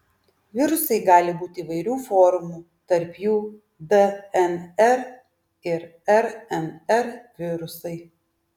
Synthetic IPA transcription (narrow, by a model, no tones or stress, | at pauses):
ʋʲɪɾʊsɐɪɡɑːlʲɪbuːt̪ʲɪiːʋɐɪɾʲuːfɔːɾʊmuː | t̪ɐɾpjuː | d̪ɛɛnɛɾ | ɪɾɛɾɛnɛɾʋʲɪɾʊsɐɪ